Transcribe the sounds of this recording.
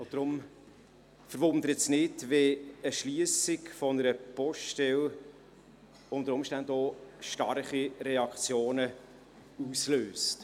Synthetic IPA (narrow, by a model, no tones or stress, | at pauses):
ʊd̥ɾʊm | fəɾʋʊnd̪əɾəsnɪdʋeəʃliəsɪkfɔnəɾəpɔʃtɛl | ʊnd̪əɾʊmʃtændɔːʃtɑrχiɾɛɑkt͡sjoːnə | usløːst